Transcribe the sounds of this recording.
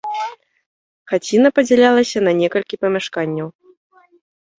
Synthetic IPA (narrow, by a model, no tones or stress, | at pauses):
xat͡sʲinɐpɐd͡zʲɛlʲalˠɐsʲɐnɐnʲɛkɐlʲkʲipɐmʲaʂkanʲːɐw